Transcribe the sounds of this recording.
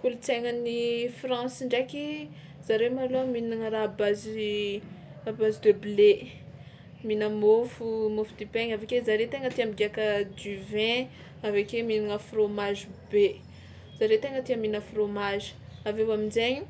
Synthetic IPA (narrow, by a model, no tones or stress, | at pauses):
kulut͡seŋənifrɑ̃siɳɖ͡ʐakʲi | z̥aɾemalominiŋəɾaabazi | abazid̪øble | minəmofumofud̪ipeɲavekezaɾet̪eŋət̪iambiɡakəd͡ʒyvɛ̃ | avekeminiŋəfromazibe | z̥aɾet̪eŋət̪iaminəfromaʒi̥ | avewaminzeɲu̥